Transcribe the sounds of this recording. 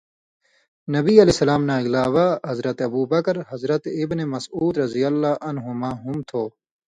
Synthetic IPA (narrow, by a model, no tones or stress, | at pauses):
nɐbiːɐlesɐlaːmnaːiɡlaːʋaɦɐzɾɐt̪ɐbuːbɐkɾhɐzɾɐt̪ibnemɐsuːd̪ɾɐzijɐlːaːʔɐnɦumaːɦumt̪ʰoː